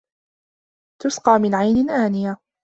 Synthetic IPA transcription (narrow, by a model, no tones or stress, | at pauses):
t̪ʊsqɑːmɪnʕajnɪnʔaːnɪja